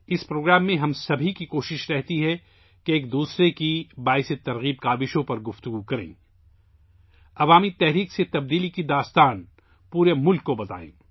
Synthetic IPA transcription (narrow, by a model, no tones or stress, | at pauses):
ɪspɾoːɡɾaːmːẽɦɐmsɐbʱikikoːʃɪʃɾɛɦt̪iɦɛ | keeːkd̪uːsɾekibaːɪset̪ɐɾɣiːb̚kaːbɪʃõpɐɾɡʊft̪ʊɡukɐɾḛ̃ː | ɐʋaːmit̪ɛɦɾiːkset̪ɐb̚d̪iːlikid̪aːst̪aːn | puːɾemʊlkːobɐt̪a̰ːḛ̃ː